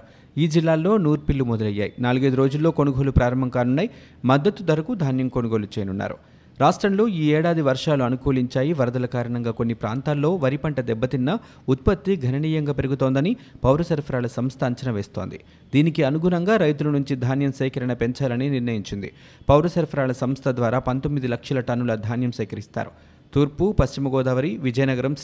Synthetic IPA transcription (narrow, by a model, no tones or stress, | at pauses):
iːd͡ʒilːaːlːo̞ːnuːɾpilːumɔd̪ɐlɐjːa̰ːjḭnaːluɡɐːd̪uɾo̞ːd͡ʒulːo̞ːko̞nuɡo̞ːlupɾaːɾɐmbʱɐmkaːnunːɐj | mɐd̪ːɐt̪ːud̪ɐɾɐkud̪ʱaːnjɐmko̞nuɡo̞ːlut͡ʃeːjɐnunːa̰ːɾṵ | ɾaːʂʈɾɐmlo̞ːiːɛːɽaːd̪iʋɐɾʂaːluɐnukoːliɲt͡ʃaːjiʋɐɾɐd̪ɐlɐkaːɾɐɳɐŋɡaːkonːipɾa̰ːnt̪aːlːo̞ːʋɐɾipɐɳʈɐd̪ɛbːɐt̪inːɐ | ut̪̚pɐt̪ːiɡʱɐnɐniːjɐŋɡaːpe̞ɾuɡut̪o̞ːnd̪ɐnipɐwɾɐsɐɾpʰɐɾaːɭɐsɐmst̪ʰɐɐɲt͡ʃɐnɐʋeːst̪o̞̰ːnd̪ḭ | d̪iːnikiɐnuɡunɐŋɡaːɾɐjt̪ulɐnuɲt͡ʃid̪ʱaːnjɐmsɛːkɐɾɐɳɐpe̞ɲt͡ʃaːlɐniniɾnɐjiɲt͡ʃind̪ḭ | pɐwɾɐsɐɾpʰɐɾaːɭɐsɐmst̪ʰɐd̪ʋaːɾaːpɐnt̪o̞mːid̪ilɐkʂɐlɐʈɐnːulɐd̪ʱaːnjɐmsɛjkɐɾist̪a̰ːɾṵ | t̪uːɾpupɐʃt͡ʃimɐɡɔːd̪aːʋɐɾiʋid͡ʒɐjnɐɡɐɾɐm